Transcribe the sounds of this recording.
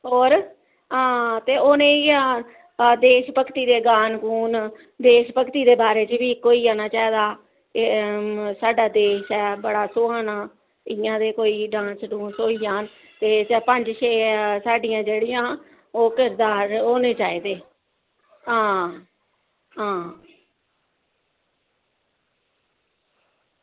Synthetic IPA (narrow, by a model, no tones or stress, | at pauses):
ɦoːɾ | ãːt̪eːoːnẽːãː | d̪eːʃpəkt̪iːd̪eːɡaːnkuːn | d̪eːʃpəkt̪iːd̪eːbaːɾeːt͡ʃʋiːkoːiːaːnaːt͡ʃaːiːd̪aː | saːɖaːd̪eːʃɛːbəɽaːsoːãːnaː | ɪjãːd̪eːkoːiːɖãːsɖũːnsoːiːaːn | t̪eːt͡ʃpəɲd͡ʒʃeːsaːɖɪjãːd͡ʒeːɽɪjãː | oːkɪɾd̪aːɾɦoːneːt͡ʃaːiːd̪eː | ɦãː | ɦãː